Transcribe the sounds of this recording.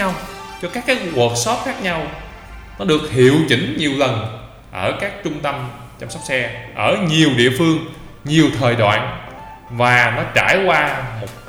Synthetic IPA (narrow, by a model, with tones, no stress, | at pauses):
a˧wt͡ɕɔ˧kaː˦˥kːaː˨˦jku˨˩t̚sɔ˦˥p̚xaː˦˥k̚ɲa˧w | nɔ˨˦ɗɨ˨˩ək̚hḭ˧˨əwt͡ɕï˧˩˦ŋ̟ɲi˨˩əwlə˨˩n | ʔəː˧˩kaː˦˥k̚t͡ɕʊ˧ŋ͡mt̪ə˧m | t͡ɕɔ˧msɔ˦˥wk͡p̚sɛ˧ʔəː˧˩ɲi˨˩əwɗḭ˧˨əfɨ˧əŋ | ɲi˨˩əwt̪ʰəː˨˩jɗwa̰ː˧˨n | vaː˨˩nɔ˨˦jt͡ɕaː˧˩jkwaː˧mo˨˩t̚